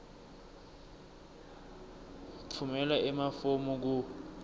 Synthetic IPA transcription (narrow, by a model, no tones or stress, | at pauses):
ǀʰumɛlaɛmafomuk̬u